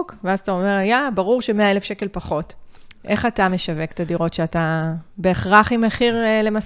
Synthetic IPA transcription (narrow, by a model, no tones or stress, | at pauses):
kveazatao̞me̞ʁajabaʁuʁʃeme̞ae̞lefʃe̞ke̞lpaχo̞tʔe̞χatame̞ʃave̞kt̪adiʁo̞tʃeatabe̞ːχʁaχimeχiʁle̞mas